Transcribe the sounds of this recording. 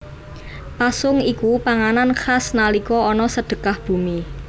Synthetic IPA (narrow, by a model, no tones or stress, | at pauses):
pasʊŋikupaŋananxasnalikɔɔnɔsəɖ̪̥ə̤kahb̥ṳmi